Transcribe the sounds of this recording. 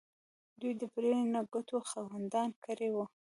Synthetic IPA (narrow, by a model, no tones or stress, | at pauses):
d̪ujd̪əpɾenaɡʊt̪oxawand̪ɑnkəɾewu